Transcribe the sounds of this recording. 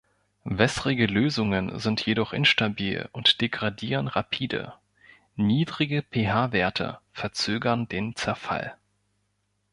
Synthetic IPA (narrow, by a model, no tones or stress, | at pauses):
vɛsʁɪɡəløːzʊŋənzɪntʰjedɔχʔɪnʃtabiːlʊntd̥eɡʁadiːʁ̞ənʁapʰiːdə̰ | niːdʁɪɡəpʰeːɦaːveːɐtʰə̰fɛɐt͡søːɡɐndeːnt͡sɛɐfa̰l